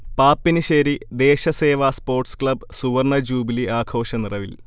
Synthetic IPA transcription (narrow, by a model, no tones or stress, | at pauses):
paːpːinɨɕɐɾid̪eːɕɐseːʋaːspo̞ːrʈskɭɐbsuʋɐrɳɐd͡ʑuːbiliʔaːkʰo̞ːɕɐnirɐʋil